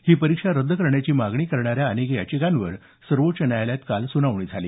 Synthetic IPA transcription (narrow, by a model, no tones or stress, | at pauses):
hiːpəɾikʂaɾəd̪ʱːəkəɾɳjat͡ɕiːmaɡɳiːkəɾɳaɾjaːnekja̰t͡ɕikanʋəɾ | səɾʋot̪t͡ɕənjajljat̪kalsunaʋɳ̃iːd͡zʱaliː